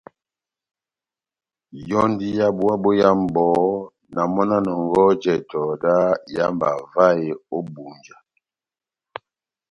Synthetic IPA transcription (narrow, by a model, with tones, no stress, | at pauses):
jɔ˦ndi˦ja˦bu˦a˦bo˦ja˦m˦˨bɔ˨˦ | na˨mɔ˦na˦nɔ˨ŋ˦ɡɔ˦d͡ʒɛ˨tɔ˨da˦ja˦mba˨va˦e˨o˦bu˨nd͡ʒa˨